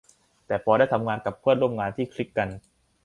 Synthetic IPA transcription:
t̪ɛː˨˩pʰɔː˧ɾaː˥˩jt̪ʰa˧mŋaː˧nka˨˩pʰːɯ˥˩ənɾu˥˩˨mŋaː˧nt̪ʰiː˥˩kʰɾi˦˥kːa˧n

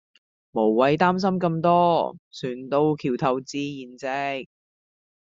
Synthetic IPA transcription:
mo˨˩wːɐ˨˧jt̪aː˥ms̬ɐ˥mkɐ˧mt̪ɔː˥syː˨˩nt̪o˧wkʰiː˨˩wt̪ʰɐ˧wt͡siː˧˥jiː˨˩nt͡sɛ˧˥

